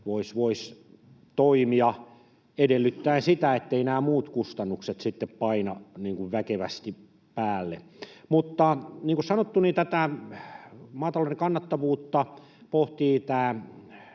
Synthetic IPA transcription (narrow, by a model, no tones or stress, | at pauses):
ʋoisʋois | t̪oimiɑ | edelːyt̪ːæinsit̪æet̪ːeinæːmuːt̪kust̪ɑnːukset̪sit̪ːeppɑinɑniːŋkuʋʋækeʋæ̰st̪i | pæːlːḛ | mut̪ːɑniːŋkussɑnot̪ːunit̪æt̪æ | mɑːt̪ɑloˑineŋkɑnːɑt̪ːɑʋuːt̪ːɑ | poht̪iːt̪æː